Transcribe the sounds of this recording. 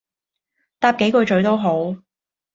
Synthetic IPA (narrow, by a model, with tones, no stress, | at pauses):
t̪aː˧p̚ke˨˥jkɵ˨˧t͡ʃɵ˨˧˥t̪o˥wɦo˨˥w